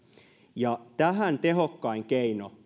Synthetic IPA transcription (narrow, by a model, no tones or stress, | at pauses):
jɑt̪æɦænt̪eɦokːɑiŋkeino